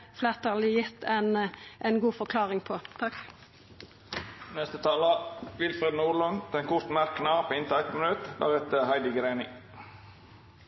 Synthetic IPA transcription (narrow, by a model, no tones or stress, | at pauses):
flæt̪ɑlɪjɪt̪ːɛnʔɛnɡuːfɔʁkʰlɑːʁɪŋpʰoːt̪ʰɑkː | nɛst̪ət̪ʰɑːlɑʋɪlfɾɛd̪nuːɭɔŋd̪̥ɛnkʰʊɾt̪n̩mæɾknɑːpʰːɪnt̪ɑɛt̪mənʉt̪d̪æ̰ɾɛt̪əhæɪd̪ɪɡɾenɪ